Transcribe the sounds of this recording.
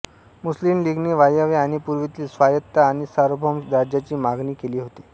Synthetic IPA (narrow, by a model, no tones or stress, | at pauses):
muslimliːɡneʋajaʋeaɽ̃ipuɾʋit̪iːsʋajət̪ːaːɽ̃isaɾobʱɔmɾad͡ʑjat͡ɕiːmaɡniːkeliːɦot̪i̥